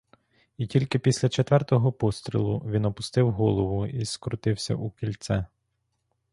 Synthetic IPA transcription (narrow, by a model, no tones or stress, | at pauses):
itʲilʲkɪpʲisʲlʲɐt͡ʃet̪ʋɛrt̪ɔɦɔpɔst̪ɾʲḭlˠʊʋʲinɔpʊst̪ɪwɦɔlˠɔʋʊiskɾʊt̪ɪwsʲɐ̰ʔukʲilʲt̪sɛ